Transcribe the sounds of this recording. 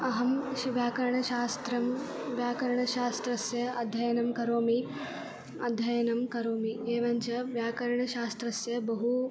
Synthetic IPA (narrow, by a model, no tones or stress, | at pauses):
ɐɦɐmɐʋjaːkɐɾɐɳɐʃaːst̪ɾɐm | ʋjaːkɐɾɐɳɐʃaːst̪ɾɐsjɐɐd̪ʱjɐjɐnɐmkɐɾoːmi | ɐ̰d̪ʱjɐjɐnɐmkɐɾoːmieːʋɐɲt͡ʃɐʋjaːkɐɾɐɳɐʃaːst̪ɾɐsjɐbɐɦu